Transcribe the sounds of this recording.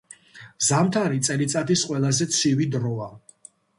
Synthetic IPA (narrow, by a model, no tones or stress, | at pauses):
zamt̪ʰaɾit̪sʼɛlit̪sʼat̪ʰisqʼwɛlˠazɛt̪sʰivid̪ɾɔa